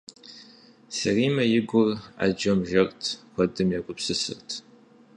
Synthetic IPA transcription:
sɐriːmɐjɪɡʷʊra̰d͡ʒɐmʒɐrtʰxʷɐdɨmjaɡʷʊpsɨsɨ̰rtʰ

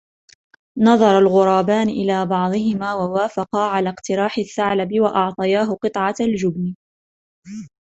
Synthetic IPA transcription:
nɑðˤɑɾˤɑlɣʊɾˤɑːbaːnʔɪ̰laːbɑʕd̪ˤɨhɪmaːwawaːfɑqɑːʕalaːqt̪ɪɾɑːħɪθːaʕlabɪwaʔɑʕt̪ˤɑjaːɦʊqɨt̪ˤʕɑald͡ʒʊbn

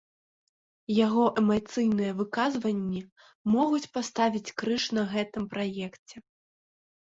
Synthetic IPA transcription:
jaɣɔʔɛmat̪sɨjnɨjɐvɨkazvɐnʲːi | mɔɣut͡sʲpast̪avʲit͡sʲkɾɨʂnɐɣɛt̪ɨmpɾajɛkt͡sʲɛ

